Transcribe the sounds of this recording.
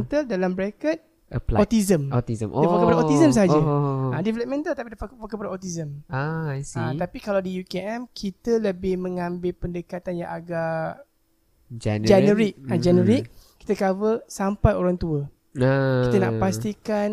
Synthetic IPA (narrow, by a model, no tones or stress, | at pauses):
nt̪əldalambəɾɛkət̪̚ | əlɔt̪izəmot̪izəɛoapadaot̪izəms̬əɦad͡ʒaədɛvɛləp̚mɛ̃nt̪əlt̪apidfakfakəpadaot̪izəm | ət̪apikalawdijukeʔɛmkʰit̪ələbɪhmə̃ŋãmbɪlpəndəkat̪anjã̰ŋʔaɡa | d͡ʒnd͡ʒɛnəɾik̚ad͡ʒɛnəɾɪʔkːi̥t̪əkavəlsampajoɾaŋt̪uə | kit̪ana̰ʔpast̪ikan